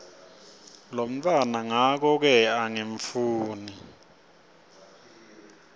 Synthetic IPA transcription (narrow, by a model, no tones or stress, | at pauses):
lom̩tʰʼwanaŋak̬ɔk̬ɛaŋeɱfuːni